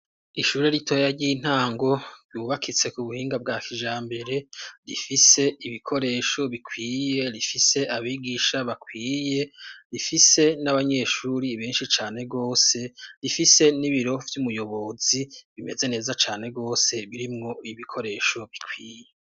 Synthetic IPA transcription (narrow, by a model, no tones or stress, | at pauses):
iʃuːɾeɾitʰo̞ːjaɾɟiːn̥haːŋɡo̞ɾɟuːβakʰit͡se̞kuβuhiːŋɡab̚ɡaːkiʒaːmbe̞ɾe̞ɾifise̞iβikʰo̞ɾe̞ːʃo̞βikʰwiːje̞ɾifise̞ʔaβiːɡiːʃaβakwiːje̞ɾifise̞naβaɲe̞ːʃuɾiβeːnʃit͡ʃaːne̞ɡo̞ːse̞ɾifise̞niβiɾo̞vjumujo̞βo̞ːziβime̞ze̞ne̞ːzat͡ʃaːne̞ɡo̞ːse̞βiɾimŋo̞iβikʰo̞ɾe̞ːʃo̞βikʰwiːje̞